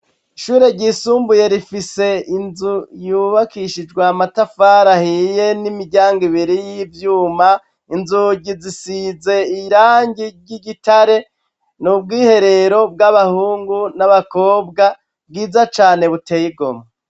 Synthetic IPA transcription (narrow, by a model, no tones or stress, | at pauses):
iʃuːɾe̞ɟiːsuːmbuje̞ɾifise̞inzujuβakiʃid͡ʒɡwamatafaɾahije̞nimiɟaːŋɡiβiɾijivjuːma | inzuɟizisize̞iɾaːɲɟiɟiɟitaɾe̞ | nubɡiːhe̞ɾe̞ɾo̞b̚ɡaβahuːŋɡunaβako̞ːbɡa | b̚ɡiːzat͡ʃaːne̞βute̞ːjiɡo̞̰ma